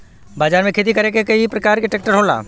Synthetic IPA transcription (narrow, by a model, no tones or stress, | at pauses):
baːd͡ʒaːɾmẽkʰeːt̪̬ikɐɾekekɐipɾɐkaːɾkeʈeːk̚ʈəɾɦoːla̰ː